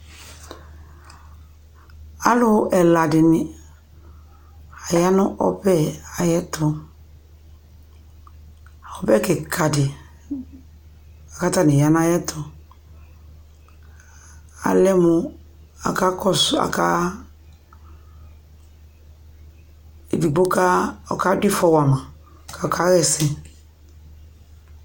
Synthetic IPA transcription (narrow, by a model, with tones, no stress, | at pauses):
a˦lʊ˦ʔɛ˨la˨dɪ˨nɪ˨ | a˨ja˦nʊ˦ʔɔ̰˦bɛ˦˨a˨jɛ˦tʰʊ˨ | ɔ˨bɛ˦kɪ˨kʰa˨dɪ˨ | a˨ka˦ta˦˨nɪ˨ja˦n˦a˦jɛ˦tʰʊ˨ | a̰˨lɛ˦mu˧ | a̰˨ka˦kɔ˦sa̰˨ka˦ | e˨bi˨bo˦ka˦ɔ˨ka˦di˦fɔ˧wa˨mã˨ | ka˨ɔ˨ka˨˦ɣɛ˦sɛ̃˨